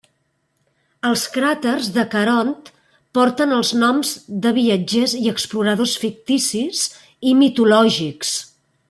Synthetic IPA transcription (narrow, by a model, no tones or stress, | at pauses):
əlˠskɾat̪ərzðəkəɾɔnt̪ | pɔɾt̪ənəlˠznɔmzd̪əβiəd͡ʒeziəkspluɾəð̞osfik̚t̪isiz | imit̪ulɔʒiks